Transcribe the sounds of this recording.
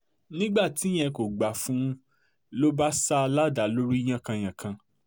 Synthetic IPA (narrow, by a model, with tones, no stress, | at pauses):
nĩ˦ɡ͡ba˦˨ti˨˦j̃ɛ̃˧ko˨ɡ͡ba˨fũ˨˦ | lo˦ba˦sa˦˧la˦da˨˦lo˦ɾi˦j̃ã˦˨kã˧j̃ã˨kʰã˧